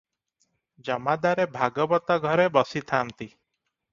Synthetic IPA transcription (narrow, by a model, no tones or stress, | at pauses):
d͡ʒɔmad̪aɾebʱaɡɔbɔt̪aɡʱɔɾebɔsit̪ʰant̪i